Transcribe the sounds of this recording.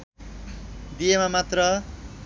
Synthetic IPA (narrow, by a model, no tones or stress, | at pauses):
d̪ijemamat̪rʌ